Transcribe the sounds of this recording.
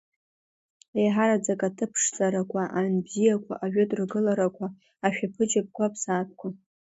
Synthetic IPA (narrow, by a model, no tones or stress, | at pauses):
ejħaɾad͡zakʼatʰɨpʰʂt͡sʼaɾakʷʰaʔanbzijakʷʰa̰ʔaɥᶣʊtʼrɡɨlaɾakʷʰaː | ʃᶣapʰɨd͡ʒap̚ʼkʷʰapʰsaːp̚ʰʼkʷʰa